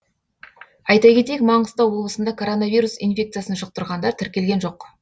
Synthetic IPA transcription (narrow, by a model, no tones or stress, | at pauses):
ɑjt̪ɑjkʲe̞t̪ejkmɑɴəzt̪ɑwo̞blˠəsənd̪ɑkʰo̞ɾo̞navʲijɾusḭnfʲe̞k̚t̪sɨjasənʃəq̚t̪əɾʁɑnd̪ɑɾt̪ʰɪɾkʲe̞lɡʲe̞nʒo̞q